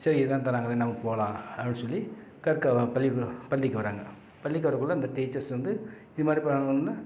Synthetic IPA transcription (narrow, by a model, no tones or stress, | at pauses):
sɐɾiɪðɯlːaːnt̪ɐɾaːŋɡɐleːnɐmːɐpoːlãːɐʋɪnːɯsɔlːi | kɐɾkːɐpɐlːipɐɭːɪkːɯʋɐɾaːŋɡɐ | pɐlːɪkːɯʋɐɾɐkːɯɭːɐɐnd̪ɐʈiːt͡ʃɐɾsʋɐnd̪ɯ | ɪðɯmaːd̪ɾipɐaɐnnaː